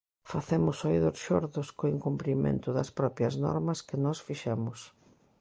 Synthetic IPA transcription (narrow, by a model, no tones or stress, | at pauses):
faθemʊsojðoɾʃoɾðʊskoiŋkumpɾimḛ̃nt̪ʊðɐ̰spɾɔpɾjɐznɔ̰ɾmɐskɪnɔsfiʃɛmʊs